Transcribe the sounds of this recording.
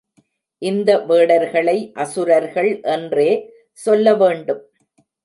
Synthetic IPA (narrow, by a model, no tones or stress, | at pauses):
ʔɪnd̪ɐʋeːɽɐɾɣɐɭɐɪʔɐsɯɾɐɾɣɐɭʔɛndreː | sɔlːɐʋeːɳɖɯm